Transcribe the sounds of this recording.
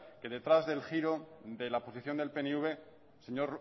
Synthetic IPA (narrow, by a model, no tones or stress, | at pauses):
ke̞ðe̞t̪ɾazðe̞lxiɾo̞ðe̞lapo̞siθjo̞nd̪elpe̞neuβe̞ | seɲo̞ɾ